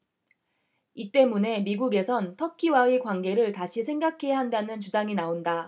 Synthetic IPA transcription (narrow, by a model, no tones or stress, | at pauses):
it͈e̞mune̞miɡuɡe̞sʰʌntʰʌkʰiwaikwanɡe̞ɾɯɭtaɕʰisʰe̞ŋɡakʰe̞jaɦandanɯnt͡ɕud͡ʑaŋinaonda